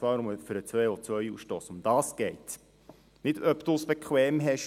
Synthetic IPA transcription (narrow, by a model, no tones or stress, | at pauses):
vɑːɾʊməfyɾət͡sʋœːot͡sʋœʏṵːsʃtoːsʊmd̥̪ɑːsɡ̥ɛɪt | nɪdœptʊsb̥ɛkʰwɛːmɦɛʃ